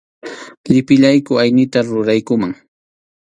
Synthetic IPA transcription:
ʎɪpɪʎajkʊajnɪt̪aɾʊɾajkʊmaŋ

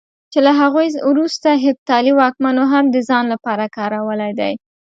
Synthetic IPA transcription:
t͡ʃelaɦaɣojwɾust̪aɦɪb̚t̪ɑliwɑk̚manoɦamd̪əzɑnlapɑɾakɑɾawəlajd̪aj

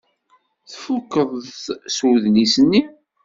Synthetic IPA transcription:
θfukːəðˤsuðnisənːi

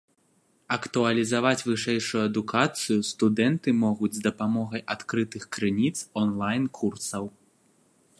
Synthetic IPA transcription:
ɐkt̪uɐlʲizavat͡sʲvɨʂɛjʂujuɐd̪ukʰat̪sɨjust̪ud̪ɛnt̪ɨmɔɣud͡zʲzd̪ɐpamɔɣɐjʔat̪kɾɨt̪ɨxkɾɨnʲit̪sɔnlˠajnkʰursɐw

